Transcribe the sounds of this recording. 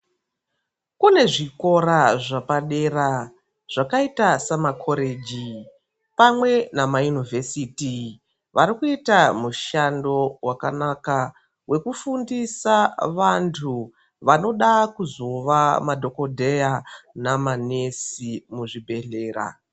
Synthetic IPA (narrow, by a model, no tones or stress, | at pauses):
kune̞ʐiko̞ɾaʐapaɗe̞ra | ʐ̥akaitasamakʰo̞ɾe̞ːd͡ʒi | pamwe̞namajunivʱe̞siti | ʋʔaɾikuitamuʃando̞wʔaka̰naka | wʔe̞kufundisaʋantʰu | ʋano̞ɗakuzo̞ʋamadʱo̞ko̞dʱe̞janamane̞simuʐibʱe̞ɮe̞ːra̰